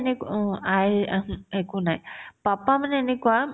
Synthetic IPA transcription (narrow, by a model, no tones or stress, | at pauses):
nekajekunajpapamaneːnekua